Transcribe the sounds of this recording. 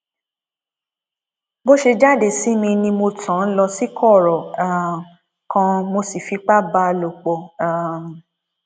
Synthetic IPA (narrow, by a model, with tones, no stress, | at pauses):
bo˦ʃe˧d͡ʒa˦˨de˦˨si˦mĩ˧nĩ˧mo˧tʰã˨˦n̩˦lɔ˧si˦kʰɔ˦˨ɾɔ˨a˨ | kã˧mo˧si˨fi˧k͡pa˦ba˧lo˨k͡pɔ˨a˨m˨